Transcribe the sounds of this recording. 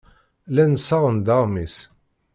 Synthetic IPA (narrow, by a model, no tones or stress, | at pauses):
lænəsɑʁənd̪ɑʁmis